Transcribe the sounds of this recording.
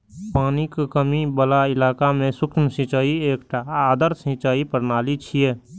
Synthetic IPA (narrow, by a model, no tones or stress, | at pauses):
paːnikkəmibəlaɪlaːkamẽsʊkmsɪ̃t͡ʃaːieːkʈaːd̪əɾsɪ̃t͡ʃaːipəɾnaːlit͡ʃʰieː